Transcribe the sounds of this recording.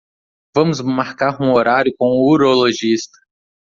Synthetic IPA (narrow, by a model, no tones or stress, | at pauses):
vɐ̃mʊzmaɾkaɾũoɾaɾjʊkõw̃ʊuɾoloʒist̪ɐ̥